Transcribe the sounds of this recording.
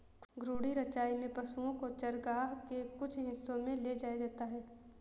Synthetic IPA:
ɡɾuːɽiɾɐt͡ʃaːimẽpɐsuõkot͡ʃɐɾɡaːɦkekʊt͡ʃʰɦɪsːõmẽled͡ʒaːjad͡ʒaːt̪aɦɛː

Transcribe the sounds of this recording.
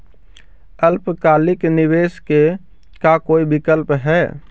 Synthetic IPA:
əlpkaːlɪknɪʋeːske | kakoːibɪkəlpɦɛː

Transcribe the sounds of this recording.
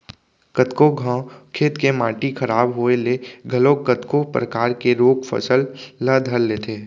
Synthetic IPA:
kət̪koɡʱãːkʰeːt̪kemãːʈikʰɐɾaːbɦoeleːɡʱəlokət̪kopɾəkaːɾkeɾoːkfʰə̰səlːəd̪ʱəɾleːt̪ʰeː

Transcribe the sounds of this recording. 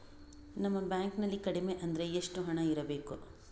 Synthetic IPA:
nɐmːɐbjaːŋknɐlːikɐɽime̞ʔɐnd̪ɐɾe̞eʂʈuɦɐɳɐiɾɐbe̞ːku

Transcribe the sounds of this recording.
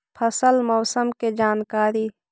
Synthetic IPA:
pʰəsəlmɔːsəmked͡ʒaːnkaːɾiː

